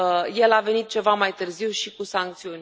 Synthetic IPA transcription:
je̞lave̞nit̪̚t͡ʃe̞vamajt̪ɨrziwʃikusaŋk̚t̪siunʲ

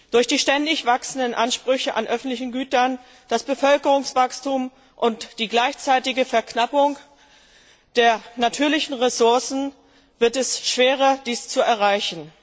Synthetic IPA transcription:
d̥ʊɐçd̥iːʃtɛndɪçv̥aksn̩dənʔanʃpʁ̥ʏçəʔa̰nʔœfn̩tlɪçn̩ɡyːtɐn | d̥asb̥əfœlkəʁʊŋsv̥akstum | ʔʊntd̥iːɡlaɪçt͡saɪtɪɡəfɛɐknapʊŋ | d̥eːɐnatʰyːɐlɪçn̩ʁesʊɐsn̩ | v̥ɪɐtɛsʃv̥eːʁ̞ɐd̥iːst͡suɛɐʁ̞aɪçn̩

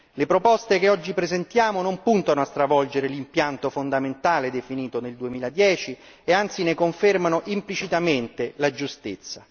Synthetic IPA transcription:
lepɾopɔst̪ekeɔd͡ʒːipɾezent̪jaːmonompunt̪anoast̪ɾavɔld͡ʒeɾelimpjant̪ofond̪ament̪aːled̪efiniːt̪oneld̪uemiːlad̪jɛːt͡ʃi | eant̪sinekoɱfermanoʔimplit͡ʃit̪ament̪elad͡ʒust̪it̪sːa

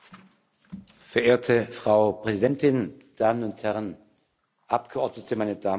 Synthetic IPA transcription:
fɛɐʔeːɐtʰəfʁ̥aʊpʁ̥ɛzidɛntɪnd̥aːmənʊnthɛʁən | ʔap̚ɡ̥əʔɔɐdnətʰəmaɪnədaː

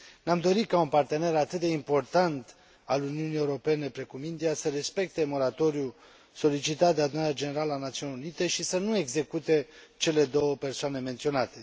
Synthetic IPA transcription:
namd̪o̞ɾikaunpart̪e̞ne̞ɾat̪ɨt̪̚d̪e̞impo̞rt̪ant̪ | aluniuniewuɾo̞pe̞ne̞pɾe̞kumind̪iasəɾe̞spe̞k̚t̪e̞mo̞ɾat̪o̞ɾju | so̞lit͡ʃit̪at̪̚d̪ead̪unaɾead͡ʒene̞ɾaləanat̪siunʲeunit̪e̞ʃisənue̞ɡze̞kut̪e̞t͡ʃe̞le̞d̪o̞wəpe̞rsoanement̪sio̞nat̪e̞

